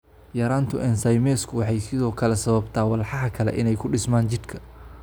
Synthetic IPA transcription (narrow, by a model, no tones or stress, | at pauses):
jɐɾaːnt̪ʰʊʔɛnsɐjmɛːskʰʊwɑħɑjsɪðɔːkʰɐlɛsɐβɐbt̪ʰaːwɑlħɑɦɐkʰɐlɛ̰ʔɪnɛjkʰʊɖɪsmaːnt͡ʃɪd̪kʰɐ̥